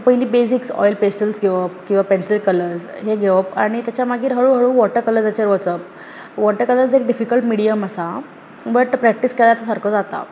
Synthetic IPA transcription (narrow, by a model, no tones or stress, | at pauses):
pəjliːbesiksɔ̰jlpesʈəlsɡʱeʋəpkĩw̃ʋapensilkələɾd͡zɦeɡʱeʋəpa̰ɽ̃it̪jat͡ɕjamaɡiːɾɦəɭuɦəɭuːʋɔʈəɾkələɾd͡zət͡ɕaɾʋət͡səp̚ | ʋɔʈəɾkələɾd͡zek̚ɖifikəlʈmiɽiaməsa | bəʈpɾæk̚ʈiskɛlajat͡s̪asaɾkʰəd͡zat̪a̰